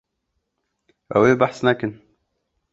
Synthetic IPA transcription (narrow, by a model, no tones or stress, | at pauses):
ʔa̰weːbaħsnakən